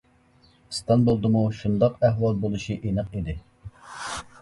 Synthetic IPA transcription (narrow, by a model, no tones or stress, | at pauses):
ɨst̪ɑnbolˠd̪ɨmuʃund̪ɑqæɦwɑlˠbolˠɨʃiʔinəqid̪ɪ